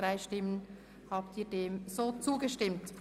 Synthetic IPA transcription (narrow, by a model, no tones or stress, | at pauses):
ʁaɪʃtɪmən | haːp̚tiːɐdeːmzoːt͡suːɡəʃtɪmt